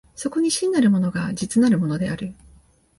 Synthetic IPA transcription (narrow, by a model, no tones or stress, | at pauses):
so̞ko̞ɲ̟iɕĩnːaɾɯ̟mo̞no̞ɡad͡ʑit͡sɨnaɾɯ̟mo̞no̞d̪e̞aɾɯ̟